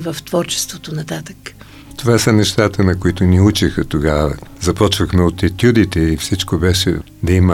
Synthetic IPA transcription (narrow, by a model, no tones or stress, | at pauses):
vɐft̪vɔɾt͡ʃɛ̥st̪vot̪onɐt̪at̪ək | t̪ovasɐnɛʃt̪at̪ənɐkoit̪ʊniut͡ʃixət̪oɡavə̰zɐpɔt͡ʃvɐxmɛot̪ɛt̪ʲjud̪it̪ɛifsit͡ʃkobɛʃɛ̰ | d̪ɐimə